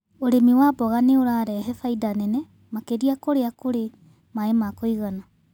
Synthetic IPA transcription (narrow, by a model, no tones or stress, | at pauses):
oɾemiwabɔɣaneoɾaɾɛɦɛfaijdanɛnɛ | makeɾiakoɾeakoɾe | maemakoiɣana